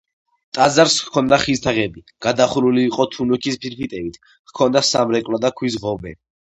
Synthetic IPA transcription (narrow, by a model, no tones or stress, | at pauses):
t̪ʼazaɾskʰɔnd̪aχist̪ʰaʁɛbi | ɡ̥ad̪aχɾuliːqʼɔt̪ʰunukʰispʰiɾpʰit̪ʼɛbit̪ʰ | kʰɔnd̪asamɾɛkʼlad̪akʰwizʁɔbɛ̰